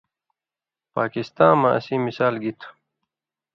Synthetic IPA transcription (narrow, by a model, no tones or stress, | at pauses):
paːkist̪ãːmɐ̰sĩːmisaːlɡit̪ʰ